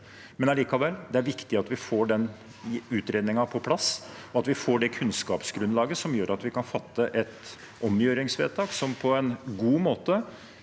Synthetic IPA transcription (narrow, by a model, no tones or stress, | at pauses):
mɛnɑliːkɑʋɛlːd̪ɛæɾʋɪkt̪ɪɑt̪ʋɪfoːɖɛn | ʉːt̪ɾeːd̪nɪŋɑpʰɔpʰlɑsɔɑt̪ʋɪfoːɖɛkʰʉnskɑːpsɡɾʉnlɑːɡəsɔmjøːɾʔɑt̪ʋɪkɑnfɑt̪ːəʔɛt̪ | ʔɔmjøːɾɪŋsʋḛːt̪ʰɑːksɔmpʰɔɛnɡuːmoːt̪ə